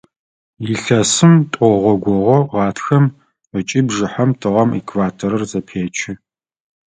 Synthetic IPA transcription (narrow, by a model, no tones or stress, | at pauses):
jiɬɐsɨmtʷʼɔʁʷɔɡʷɔʁʷɔʁɑːtʰxɐm | ət͡ʃʼiːbʒɪħamtʰɨʁɐmḭkʰvaːtʰoɾɐrzɐpʰeːt͡ʃʰɪ